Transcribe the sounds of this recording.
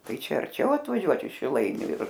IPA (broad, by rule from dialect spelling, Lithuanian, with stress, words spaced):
ˈtɐɪ ˈt͡ʃʲɛ ɐrʲˈt͡ʃʲɛʊ ɐtʋɐˈʒʲuɔt ɪʃ ʃʲɪˈlˠɐɪnʲʊ ɪr